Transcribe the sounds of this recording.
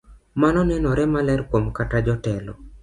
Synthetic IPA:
manɔnɛnɔɾɛmalɛrkwomkatad͡ʒɔtɛlɔ̰

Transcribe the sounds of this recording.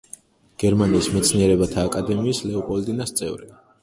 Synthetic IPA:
ɡ̥ɛɾmaniːsmɛt̪sʰniɛɾɛbat̪ʰaːkʼad̪ɛmiːslɛɔpʼɔlt̪ʼinast̪sʼɛvɾi

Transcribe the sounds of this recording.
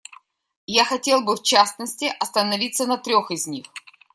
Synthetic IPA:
jaxɐtʲe̞lˠbɨft͡ɕasnəsʲtʲɪʔɐst̪ənɐvʲit̪sənɐt̪ɾʲoxɪzʲnʲix

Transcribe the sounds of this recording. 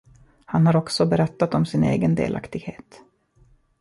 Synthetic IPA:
hanhaɾɔksɔbɛɾɛt̪ːat̪ɔmsɪnḛːɡənd̪ḛːlʔa̰kt̪ɪɡheːt̪

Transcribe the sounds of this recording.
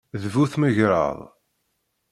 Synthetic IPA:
ðvuθməʝɾə̰ðˤ

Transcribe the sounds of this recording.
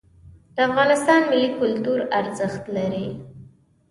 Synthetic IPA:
d̪̥əafɣɑnɪst̪ɑnmɪlːikʊlt̪uɾaɾzəxt̪laɾi

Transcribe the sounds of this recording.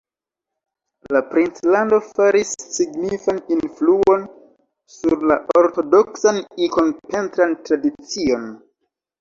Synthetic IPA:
lapɾint͡slando̞faɾisːiɡnifaninfluo̞n | suɾlaʔo̞ɾto̞doksaniko̞npe̞ntɾantɾadit͡sio̞n

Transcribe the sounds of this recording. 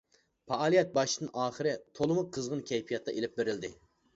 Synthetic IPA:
pʰɑɑːlˠijɛt̪̚bɑʃɨd̪ɨnʔɑːχəɾɨt̪ʰolˠɨmʊq̚qʰːəzʁənkʲʰɛjpʰijɑt̪ːɑʔelɪp̚beɾɪld̪ɪ

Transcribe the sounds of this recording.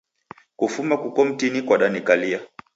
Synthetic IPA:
kufumakukɔm̩tinikwaɗanikalia

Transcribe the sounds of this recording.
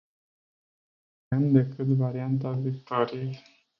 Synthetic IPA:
emd̪e̞kɨt̪vaɾiant̪̬avikt̪oɾiij

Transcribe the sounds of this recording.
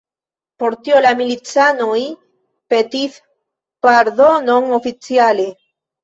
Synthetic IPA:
poɾt̪iolamilit͡sanoj | pet̪iθ | paɾðonoŋofit͡sjale

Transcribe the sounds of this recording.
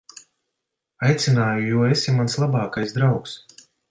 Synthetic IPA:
ajt̪sʲinaːjujuɔesimanslˠabɑːkajsd̪ɾawks

